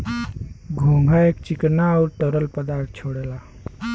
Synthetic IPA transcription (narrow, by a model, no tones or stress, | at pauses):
ɡʱõŋɡʱaekt͡ɕiknaːwɾʈəɾəlpəd̪aɾt̪̚ʰt͡ɕʰoɽela